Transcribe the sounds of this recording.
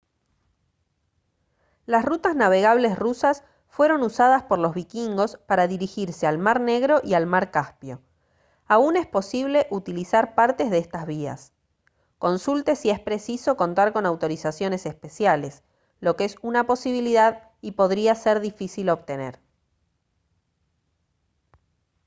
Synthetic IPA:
lasrut̪aznaβ̞e̞ɣaβ̞le̞srusas | fwe̞ɾo̞nusað̞aspo̞ɾlo̞zβikiŋɡo̞spaɾaðiɾixiɾse̞almaɾne̞ɣɾo̞ʔialmaɾkaspjo̞ | aune̞spo̞siβ̞le̞ʔut̪ilisaɾpaɾt̪e̞zðest̪azβ̞ia̰s | ko̞nsult̪e̞sie̞spɾe̞siso̞ko̞nt̪aɾkonawt̪o̞ɾisasjo̞ne̞sespe̞sjale̞s | lo̞keesunapo̞siβ̞iliðað | ipo̞ð̞ɾiaseɾðifisilo̞βt̪e̞nḛɾ

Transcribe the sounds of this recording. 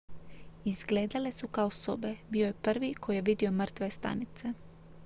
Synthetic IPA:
izɡleːd̪ale̞sukaoso̞be̞biːo̞je̞pr̩ʋikʰo̞jijeʋid̪io̞mr̩t̪ʋe̞st̪a̰nit̪se̞

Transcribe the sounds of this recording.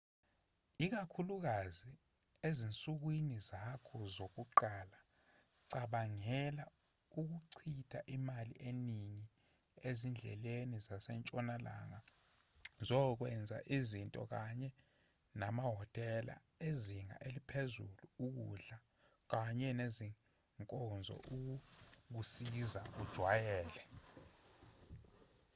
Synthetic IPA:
ik̬akʰuluk̬azi | ezint͡sʼuk̬winizakʰɔzok̬uǃala | ǀaɓaŋɛla | uk̬uǀʰitʰa̰ʔimalḭʔeniɲi | ezind͡ɮʱɛ̰lenizasɛnt͡ʃʼɔnala̰ŋa | zɔk̬wɛnd͡zʱa̰ʔizintʼɔ̰k̬aɲɛ | namaɦɔtʼɛla̰ | eziŋa̰ʔelipʰezuluuk̬ṵɮa | k̬aɲɛneziŋ | ŋkʼɔnd͡zʱɔ̰ʔuk̬uk̬usizaʔud̥ʒ̥ʱwajɛːlɛ

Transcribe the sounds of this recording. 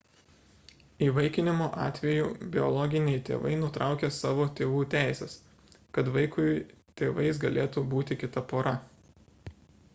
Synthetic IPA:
iːʋɐɪkʲɪnʲɪmoːʔɑːt̪ʲʋʲɛjuːbʲɪɔ̰lˠɔɡʲɪnʲɛɪt̪ʲḛːʋɐ̰ɪnʊt̪ɾɑˑʊkʲeːsɑːʋoːt̪ʲeːʋuːt̪ʲæˑɪsʲɛs | kɐt̪ʋɐɪkʊt̪ʲeːʋɐɪs̬ɡɐlʲeːt̪uːbuːt̪ʲɪkʲɪt̪ɐpoːɾɐ

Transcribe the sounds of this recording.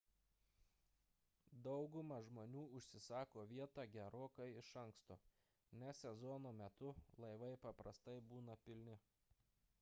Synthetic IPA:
d̪ɒʊɡʊmɐʒmoːnʲuːʊʃʲsʲɪsɑːkoːʋʲiɛt̪ɑːɡʲɛɾoːkɐɪɪʃɐŋkst̪o̰ː | nʲɛsʲɛzɔnoːmʲɛt̪ʊlˠɐɪʋɐɪpɐpɾɐst̪ɐɪbuːnɐpʲɪlʲnʲɪ

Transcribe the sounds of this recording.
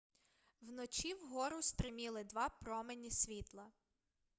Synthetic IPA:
wnɔt͡ʃʲiwɦɔɾʊst̪ɾɪmʲilˠɪd̪ʋɑpɾɔmenʲisʲʋʲit̪lˠɐ

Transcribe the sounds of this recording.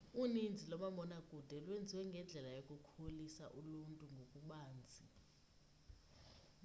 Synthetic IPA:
unind͡zʱilɔmamɔnakʼud̥ʱɛlwend͡zʱiwɛŋɡʱɛnd͡ɮʱɛlajokʼukʰulisaʔuluntʼuŋɡʱokʼuɓaːnd͡zʱi

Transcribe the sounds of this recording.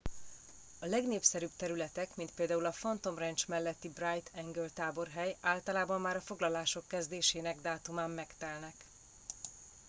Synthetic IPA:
ɒlɛɡneːpsɛɾyb̚t̪ɛɾylɛt̪ɛkmint̪̚peːld̪aːulɒfɒnt̪o̞mrɛnt͡ʃmɛlːɛt̪ːibrajt̪ʰɛŋɡølt̪aːbo̞rɦɛjaːlt̪ɒlaːbɒmːaːɾɒfoɡlɒlaːʃo̞kːɛzd̪eːʃeːnɛɡd̪aːt̪umaːmːɛkt̪ɛlnɛk

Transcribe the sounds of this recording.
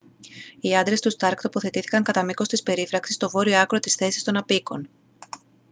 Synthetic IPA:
iɐnd̪ɾe̞st̪ust̪ɐɾkt̪o̞po̞θe̞t̪iθi̥kɐŋkɐt̪ɐmiko̞st̪ispe̞ɾifɾɐksist̪o̞vo̞ɾioɐkɾo̞t̪isθe̞sist̪o̞nɐpiko̞n

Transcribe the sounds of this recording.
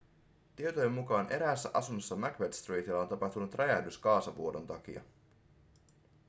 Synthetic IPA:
t̪iet̪oje̞mːukɑːnʔe̞ɾæːsːæ̰ʔɑsunːosːɑmækʋet̪st̪riːt̪ilːɑo̞nt̪ɑpɑht̪unut̪rɑjæhdyskɑːsɑʋuodo̞nt̪ɑk̟ḭɑ̰

